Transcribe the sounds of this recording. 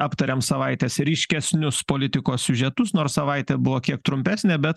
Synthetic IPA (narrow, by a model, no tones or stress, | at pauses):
ɑːpt̪ɐɾʲeːmsɐʋɐɪt̪ʲɛːsɾʲɪːʃʲkʲɛsʲnʲʊspoːlʲɪt̪ʲɪkoːssʲʊʒʲɛt̪ʊsnoːɾssɐʋɐɪt̪ʲɛːbʊʋoːkʲiɛk̚t̪ɾʊmʲpʲæːsʲnʲeːbʲɛt̪